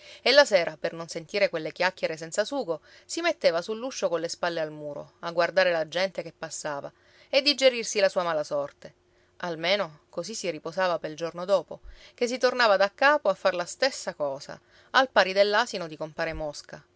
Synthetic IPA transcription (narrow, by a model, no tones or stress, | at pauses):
elːaseːɾapernonsent̪iːɾekwelːekjakʲːeɾesɛnt̪sasuːɡo | simet̪ːeːvasulːuʃːokonlːespalːealmuːɾo̰aɡward̪aːɾelad͡ʒɛnt̪ekepːasːaːva̰ | ed̪ːid͡ʒeɾirsilasuːamaːlasɔrt̪e | ʔalmeːnokosisːiriposaːvapeld͡ʒornod̪ɔːpokes̬it̪ornaːvad̪akːaːpoafːarlast̪esːakɔːsa̰ | alpaːɾid̪elːaːsinod̪ikompaːɾemɔska